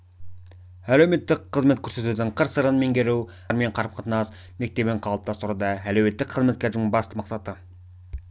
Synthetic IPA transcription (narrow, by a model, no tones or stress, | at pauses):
ælewme̞t̪ːɪk̚qʰːəzmekʲʰɵɾse̞t̪ud̪ɪɴqʰəɾsəɾənmeŋɡʲeɾuw | ɾme̞ɴqʰɑɾp̚qʰət̪ənɑs | me̞k̚t̪e̞beɴqʰɑlˠəp̚t̪ɑst̪ʊɾud̪ɑælewme̞t̪ːɪk̚qʰəzme̞t̪̚kʲeɾd̪ɪŋbɑst̪əmɑqsɑt̪ə